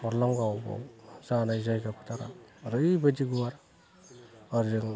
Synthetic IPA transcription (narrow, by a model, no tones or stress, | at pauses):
ɔɾlɔŋɡawbɔ̰wzanajzajɡapʰɯ̥tʰaɾa̰ɾɯjbadiɡuwaɾ | ɔɾɾɯŋ